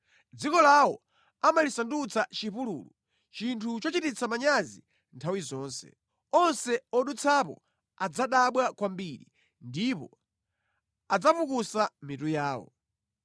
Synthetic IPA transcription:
d͡zikɔlawɔ | amalisandut͡sʰat͡ʃipulṵːlṵ | t͡ʃintʰut͡ʃɔt͡ʃitit͡sʰamaɲazi | ntʰawizɔːnsɛ̰ | ɔnsɛɔɗut͡sʰapɔ̰ | ad͡zaɗaɓwakwambiɾi | ndipɔ̰ | ad͡zapukusamitujaːwɔ̰

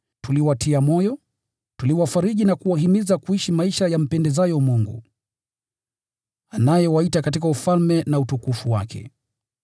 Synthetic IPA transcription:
tuliwatʰiamɔjɔ | tuliwafaɾiɠinakuwaɦimizakuiʃimaiʃajam̩pɛndɛzajɔmuŋɡṵ | anajɛwaitakatikaufalmɛnautukufuwa̰kɛ̰

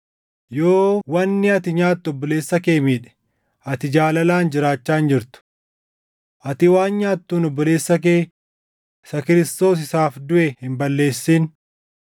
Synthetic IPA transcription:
joːwɐnːɪɐt̪ɪɲaːt̪ːʊɔbːɔle̞ːsːɐke̞ːmiːᶑɛ̥ | ɐt̪ɪd͡ʒaːlɐlaːnd͡ʒɪɾaːt͡ʃːaːnd͡ʒɪɾt̪ʊ̥ | ʔɐt̪ɪwaːnɲaːt̪ːuːnɔbːɔle̞ːsːɐk̬eː | sɐkɪɾɪst̪o̞ːs̬ɪsaːfd̪ʊʔɛhɪmbɐlːe̞ːsːiːn

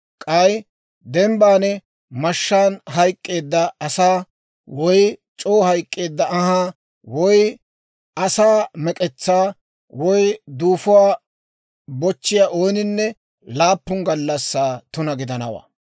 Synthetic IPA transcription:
kʼɐj | d̪ɛmbaːnɛ | mɐʃːaːnɦɐjkʼːe̞ːd̪ːɐɐsaː | wɔj | t͡ʃʼo̞ːhɐjkʼːe̞ːd̪ːɐʔɐɦaː | wɔj | ɐsaːmɛkʼɛt͡sːaː | wɔjd̪uːfʊwaː | bɔt͡ʃːɪjaʔo̞ːnɪnːɛ | laːpːʊŋɡɐlːɐsːaːt̪ʊnɐɡɪd̪ɐnɐwa̰ː

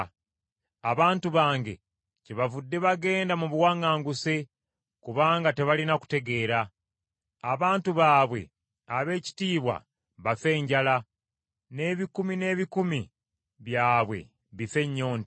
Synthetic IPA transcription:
aβaːntuβaːŋɡe̞̰ | ceβavudːe̞βaɡe̞ːndamuβwaːŋaːŋɡuse | kuβaːŋɡate̞βalinaku̥te̞ɡe̞ːɾaː | βaːntuβaːβwe̞̰ | aβe̞ːci̥tiːβwa̰ | βafe̞ːɲɟala | ne̞ːβikumine̞ːβikumi | βjaːβwe̞̰ | βife̞ɲːo̞ːnt

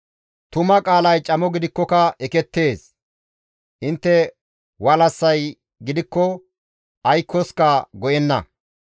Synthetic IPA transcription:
t̪ʊmɐkʼaːlɐjt͡ʃʼɐmɔɡɪd̪ɪkːɔkɐɛkɛt̪ːe̞ːs | ʔɪnt̪ːɛ | wɐlɐsːɐj | ɡɪd̪ɪkːɔ | ʔɐjkʰːɔskɐɡɔjɛnːɐ̰

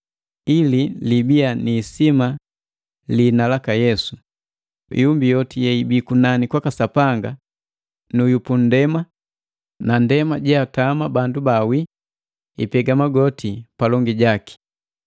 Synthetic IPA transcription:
ililibianiːsima | linalakajɛsu | ḭjumbijɔtijɛibikunanikwakasapaŋɡa | nujupun̩dɛma | nandɛmaɟɛatamabandubawi | ipɛɡamaɡɔtʰipalɔŋɡiɟaki̥

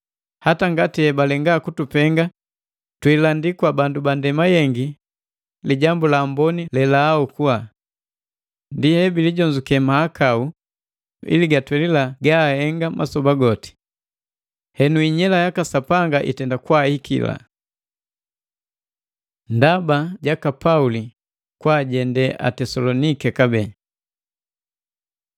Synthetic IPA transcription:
hataŋɡatiɛbalɛŋɡaːkutupɛŋɡa | twilandikwabandubandɛmajɛŋɡi | liɟambulaːmbɔnilɛlaːukuwa | ndihɛbiliɟɔɲd͡ʒukɛmaːkau | ḭliɡatwɛlilaɡaːhɛŋɡamʔasɔbaɡɔti̥ | hɛnuiɲɛlajakasapaŋɡaʔḭtɛndakwahikḭla̰ | ndabaɟakapauli | kwaːɟɛndɛʔa̰tɛsɔlɔnikɛkabɛ

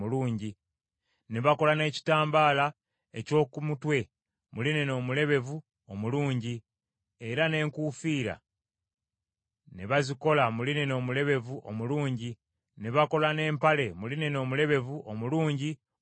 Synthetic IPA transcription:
uluːɲɟi | neβako̞lane̞ːci̥taːmbaːla | e̞̰co̞ːkumutwe̞ | mʔuline̞no̞ːmule̞βe̞vu | omuluːɲɟi | e̞ɾane̞ːŋkuːfiːɾa̰ | neβaziko̞lamuline̞no̞ːmule̞βe̞vuʔo̰muluːɲɟi | neβako̞lane̞ːmpale̞muline̞no̞ːmule̞βe̞vuʔomuluːɲɟi

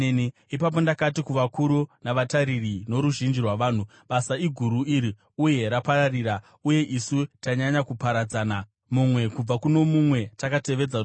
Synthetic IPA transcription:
ni | ipap̬o̞ndakatikuʋakuɾunaʋataɾirino̞ɾuʒind͡ʒirwaʋaːn̤u | ɓasaiɡʱuɾuiɾi | uje̞ɾapaɾariːɾa | uje̞ʔisutaɲaɲakupaɾad͡zaːna | mumwe̞kub͡vakuno̞mumwe̞takate̞ʋe̞d͡za

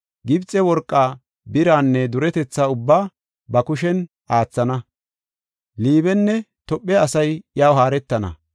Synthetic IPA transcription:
ɡɪbt͡sʼːɛwɔɾkʼːaː | bɪɾaːnːɛd̪ʊɾɛt̪ɛt͡sːaʊbːaː | bɐkʊʃɛn | ʔaːt͡sːɐnɐ | liːβɛnːɛ | t̪ɔpʼːɛɐsɐjjaːwɦaːɾɛt̪ːɐnɐ̰

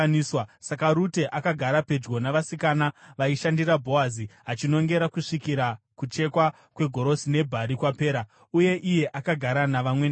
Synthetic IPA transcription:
niːswasakaɾute̞ʔakaɡʱaɾape̞d͡ʒɡo̞naʋasikaːnaʋaiʃandiɾabʱo̞aziɦat͡ʃino̞ŋɡe̞ɾakuʂikiɾa | kut͡ʃe̞kwa | kwe̞ɡʱo̞ɾo̞sine̞bʱaɾikwape̞ːɾa | uje̞ʔije̞ʔakaɡʱaɾanaʋamwen

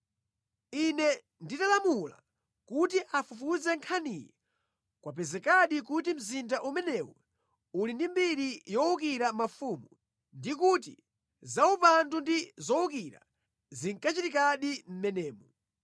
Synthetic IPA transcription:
inɛ | nditalamula̰ | kutiʔafufuzɛŋkʰanijɛ | kwap̬ɛzɛkaɗik̬utim̩zindaʔumɛnɛwɔ | ulindimbiɾijɔukiɾamafumu | ndikut̬ḭ | zaupantundizɔukiɾa̰ | ziŋkat͡ʃitikaɗim̩mɛnɛːmu

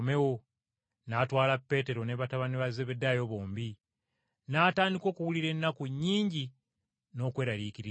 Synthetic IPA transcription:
me̞wo̞ | naːtwaːlapːe̞ːte̞ɾo̞neβataβaniβazeβedːajo̞ːβo̞ːmbi | naːtaːndiko̞ːkuwuliɾe̞nːakuɲːiːɲɟi | no̞ːkwe̞ːɾalikiɾi

